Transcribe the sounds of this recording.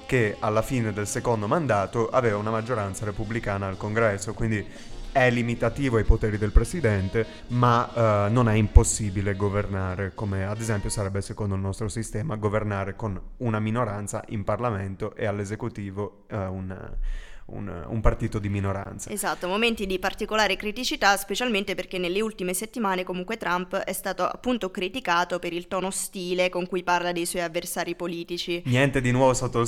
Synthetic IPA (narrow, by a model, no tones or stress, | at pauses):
kealːafiːned̪elsekond̪omand̪aːt̪oʔa̰veːvaunamad͡ʒːoɾant̪saɾepublikaːnaːlkoŋɡɾɛsːokwind̪i | ɛlːimit̪at̪iːvoajpot̪ɛːɾid̪elpɾesid̪ɛnt̪e | manːonɛimposːiːbileɡovernaːɾekomead̪ezɛmpjosaɾɛbːesekond̪oilnɔst̪ɾosist̪ɛːmaɡovernaːɾekonunaminoɾant̪sa̰ʔimparlament̪oʔealːezekut̪iːvo | un | ṵnṵmpart̪iːt̪od̪iminoɾa̰nt̪saezat̪ːomoment̪id̪ipart̪ikolaːɾekɾit̪it͡ʃit̪aspet͡ʃalment̪eperkenːelːeult̪imeset̪ːimaːnekomuŋkwet̪ɾampɛst̪aːt̪oa̰pːunt̪okɾit̪ikaːt̪opeɾilt̪ɔːnost̪iːlekoŋkujparlad̪ejswɔjavːersaːɾipoliːt̪it͡ʃinjɛnt̪ed̪inwɔvost̪at̪ːo